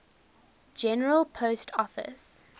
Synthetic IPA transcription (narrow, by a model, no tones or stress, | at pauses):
d͡ʒɛnəɹəlˠpʰostʰɔfɪ̰s